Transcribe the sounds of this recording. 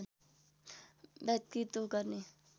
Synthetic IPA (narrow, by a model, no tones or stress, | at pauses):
bɛt̪kit̪okəɾni